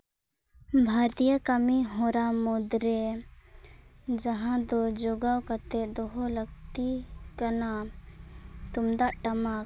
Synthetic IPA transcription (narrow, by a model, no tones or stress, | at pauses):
bʱaɾt̪ijakamiɦɔ̃ɾamɔd̪ɾɛ | d͡ʒaɦãd̪ɔd͡ʒɔɡawkat̪ɛd̪ɔɦɔləɡt̪ikana | t̪umd̪aʔʈamak